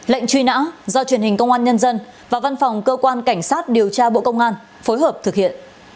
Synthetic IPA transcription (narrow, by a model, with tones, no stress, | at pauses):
lə̰˧˨jŋ̟t͡ɕwi˧na̰ː˧˥zɔ˧t͡ɕwi˧˩ənhï˨˩ŋ̟kə˧wŋ͡mʔaː˧nɲə˧nzə˧n | vaː˨˩va˧nfa˨˩wŋ͡mkəː˧kwaː˧nka˧˩jŋ̟saː˦˥t̚ɗi˨˩əwt͡ɕaː˧ɓo̰˧˨kə˧wŋ͡mʔaː˧n | fo˨˦jɦəː˨˩p̚t̪ʰɨ˨˩k̚hḭ˧˨ənʔ